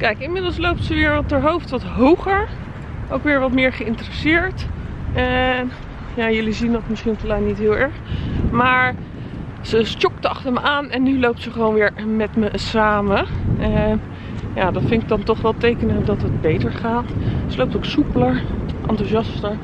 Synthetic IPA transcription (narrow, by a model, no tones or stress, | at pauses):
kɛjkɪnmɪdlˠslowp̚tsəʋɪːɹʋɑtdəɹɦowftʋɑtɦowχəɹ | ʔowkʋɪːɹʋɑtmɪːɹχəɪntərəsɪːɹtɛ | jaːjɵlizindɑtmɪsχintlɛjnitɦɪːlˠɛɹχmaːɹ | səst͡ʃɔktəɑχtəɹməʔaːnɛnːylowp̚tsəχəʋownʋɪːɹmɛtməsaːmə | jaːdɑtfɪŋɪk̚dɑntɔχʋɛlˠtejkənədɑtɦət̚bejtəɹχaːtsəlowp̚towksupələɹʔɑntuzɑstəɹ